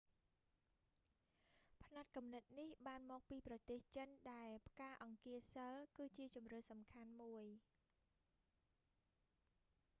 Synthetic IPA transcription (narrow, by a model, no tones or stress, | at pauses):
pʰnat̪̚kumnət̪̚nihɓaːnmɔːk̚piːprɑt̪eːht͡ɕənɗaɛlpʰkaːʔɑŋkiəsəlkɨːt͡ɕiət͡ɕumrəːhsɑmkʰanmuəj